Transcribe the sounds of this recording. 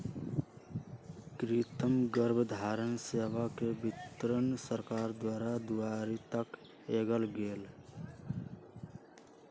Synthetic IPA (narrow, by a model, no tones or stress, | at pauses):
kɾit̪əmɡəɾbʱd̪ʱaːɾənseːʋakebɪt̪ɾənsəɾkaːɾd̪waːɾad̪uaːɾit̪ək | eːɡəlɡeːl